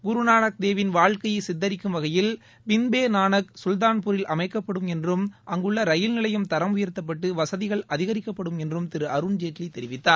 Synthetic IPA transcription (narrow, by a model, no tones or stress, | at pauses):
ɡʊɾunaːɳɐk̚d̪eːʋɪnʋaːɭkɐjɐɪsɪd̪ːɐɾɪkːɯmʋɐɣɐjɪl | ʋɪnbeːnaːnɐksʊld̪aːnpʊɾɪlʔɐmɐɪkːɐpːɐɽɯmɛndrɯmʔɐŋɡɯɭːɐɾɐjɪlnɪlɐjɯmt̪ɐɾɐmʊjɐɾt̪ːɐp̬ːɐʈːɯʋɐsɐðɪɣɐɭɐðɪɣɐɾɪkːɐpːɐɽɯmɛndrɯmt̪ɪɾɯɐɾɯɳd͡ʒeːʈlit̪ːɛɾɪʋɪt̪ːaːɾ